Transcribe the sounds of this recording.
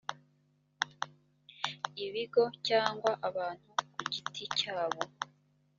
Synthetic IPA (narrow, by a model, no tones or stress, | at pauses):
iβiɡo̞caːŋɡwaʔaβaːn̥hukuɟitʰicaːβo̞